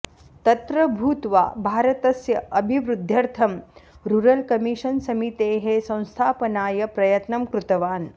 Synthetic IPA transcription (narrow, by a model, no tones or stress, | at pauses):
t̪ɐt̪ɾɐbʱuːt̪ʋa̰ːbʱaːɾɐt̪ɐsjɐʔɐbʱiʋɾud̪ʱjɐɾt̪ʰɐmɾuɾɐlkɐmiʂɐnsɐmit̪eːɦesɐ̃w̃st̪ʰaːpɐnaːjɐpɾɐjɐt̪nɐmkɾut̪ɐʋaːn